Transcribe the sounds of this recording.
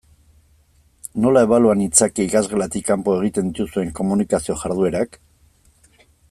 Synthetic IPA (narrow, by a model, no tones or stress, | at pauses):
no̞lae̞βaluanit͡sakeikazɣe̞lat̪ikːampo̞e̞ɣ̞it̪end̪it̪usue̞ŋko̞munikasio̞ʝaɾðue̞ɾak